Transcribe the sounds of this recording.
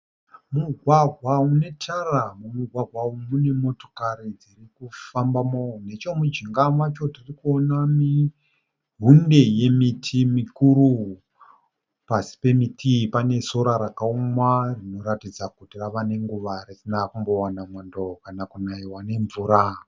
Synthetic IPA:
muɡʱwaɡʱwaune̞tʰaramumuɡʱwaɡʱwaumune̞mo̞to̞̥kaɾid͡zirikufambamone̞t͡ʃo̞mud͡ʒiŋɡamwat͡ʃo̞tirikuonami | ɦunde̞je̞mitʰimikuɾu | pasi̥pe̞mitʰipane̞so̞ɾaɾakaumwarino̞ɾatid͡zakutiraʋane̞ŋɡuʋaɾisinakumbo̞wanamwandokanakunaiwane̞ɱvuːɾa

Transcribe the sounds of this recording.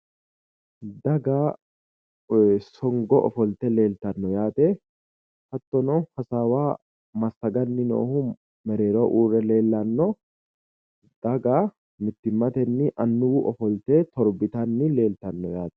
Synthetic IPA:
d̪ɐɡa | sɔŋɡɔʔɔ̰fɔlt̪ɛle̞ːlt̪ɐnːɔjaːt̪ɛ | hɐt̪ːɔnɔhɐsaːwaː | mɐsɐɡɐnːɪno̰ːhʊ | mɛɾe̞ːɾɔʔuːrɛle̞ːlːɐnːɔ | d̪̥ɐɡa | mɪt̪ːɪmːɐt̪ɛnːɪʔɐnːʊwʊʔɔfɔlt̪eːt̪ɔɾbɪt̪ɐnːɪle̞ːlt̪ɐnːɔjaːt̪ɛ̥

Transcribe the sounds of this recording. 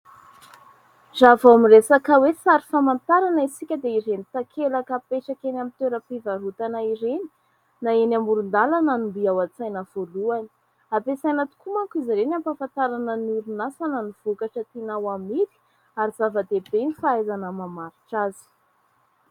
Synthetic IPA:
zavaamiresakəwesaɾi̥famant̪aɾanəisikʲəd̪eiɾenit̪akʰelakəpeʈ͡ʂakenamint̪eɾəpivaɾut̪anaiɾeni̥ | naenamuɾund̪alananumbiawat͡sajnəv̥oluani̥ | apesajnat̪u̥kumaŋkiziɾenampafant̪aɾanənuɾunasanəniv̥ukaʈ͡ʂət̪inawamid̪i̥ | aɾiz̥avəd̪ebenifaajzanəmamaɾiʈ͡ʂazi̥

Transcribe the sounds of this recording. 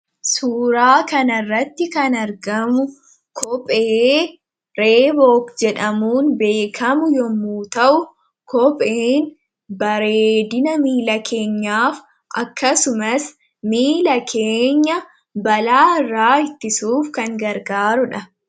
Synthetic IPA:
suːɾaːkɐnɐrːɐt̪ːɪkɐnɐɾɡɐmʊ | kʰɔpʼe | ɾeːboːkd͡ʒɛᶑɐmuːnbe̞ːkʰɐmʊjɔmːuːt̪ɐʔʊ | kʰɔpʼeːn | bɐɾeːd̪ɪnɐmiːlɐkʰe̞ːɲːaːf | ʔɐkːɐsʊmɐs | miːlɐkʰeːɲːɐ | bɐlaːɪrːaːɪt̪ːɪsuːfkɐŋɡɐɾɡaːɾʊᶑɐ

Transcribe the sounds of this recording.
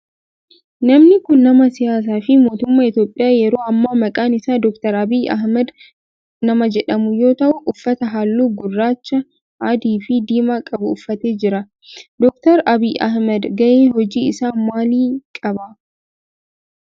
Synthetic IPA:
nɐmnɪkʊnːɐmɐsɪjaːs̬aːfɪmo̞ːt̪ʊmːaːɪt̪jo̞ːpʼːɪjaːjɛɾo̞ːɐmːaːmɐkʼaːnɪsaːd̪ɔkt̪ɐɾɐbiːɐ̰hmɛd̪ | nɐmɐd͡ʒɛᶑɐmʊjo̞ːt̪ɐʔʊʔʊfːɐt̪ɐɦaːlːuːɡʊrːaːt͡ʃːɐ | ɐd̪iːfɪd̪iːmaːkʼɐbʊʊfːɐt̪eːd͡ʒɪɾɐ | d̪ɔk̚t̪ɐɾɐbiːʔɐ̰hmɛd̪ɡɐʔeːɦɔd͡ʒiːɪsaːnmaːliːkʼɐbɐ

